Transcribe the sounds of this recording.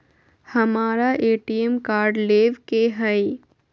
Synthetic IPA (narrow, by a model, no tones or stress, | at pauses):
hɐmaːɾaʔeːʈiemkaːɾɖleːʋkeɦɛɪ